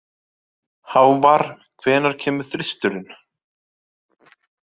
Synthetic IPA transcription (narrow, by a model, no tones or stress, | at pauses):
hawvaɾ̥ | kʰv̥ɛːnaɾ̥cʰɛːmʏθɾɪst̪ʏɾɪn